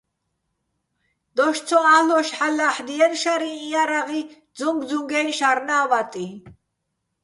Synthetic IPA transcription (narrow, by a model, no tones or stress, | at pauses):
d̪̥ɔʃt͡sʰɔalɔʃħalaħd̪iɛnʃaɾiːjaɾaʁi | d͡zuŋɡd͡zuŋɡɛnʃaɾnaːvat̪ʼi